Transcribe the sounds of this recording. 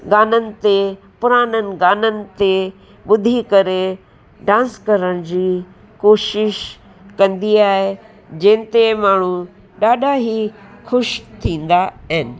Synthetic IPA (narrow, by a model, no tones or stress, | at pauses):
ɡaːnənɪ̆t̪e | pʊɾaːnənɪ̆ɡaːnənɪ̆t̪e | ɓʊd̪ʱikɐɾe | ɖãːnskɐɾəɽ̃d͡ʑiː | koːʃɪʃ | kɐ̃nd̪iaːɦe | d͡ʑɐ̃ɦɪ̃nt̪emaːɳ̤u | ɗaːɗʱaɦixʊʃt̪ʰĩːn̆d̪aɦɪnɪ̆